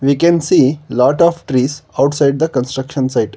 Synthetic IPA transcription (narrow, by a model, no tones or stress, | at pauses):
ʋiːkɛ̃nsiːlɔːʈɔʋʈɾiːsaʊʈsaɪɖ̚d̪əkə̃nsʈɾəkʃə̃nsaɪʈ